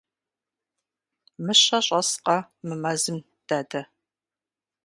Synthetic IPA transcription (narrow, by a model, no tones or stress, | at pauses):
mɨɕɐɕʼɐsqɐmɨmɐzɨm | d̥aːdɐ